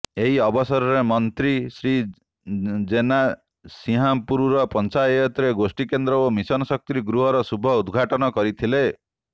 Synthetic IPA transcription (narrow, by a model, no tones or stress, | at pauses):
eɦiɔbɔsɔɾɔɾemɔnt̪ɾisɾi | d͡ʒena | siɦapuɾuɾɔpɔnt͡ʃajɔt̪ɾeɡosʈikend̪ɾɔomisɔnɔsɔk̚t̪ɾiɡɾuɦɔɾɔsubʱɔud̪ɡʱaʈɔnɔkɔɾit̪ʰile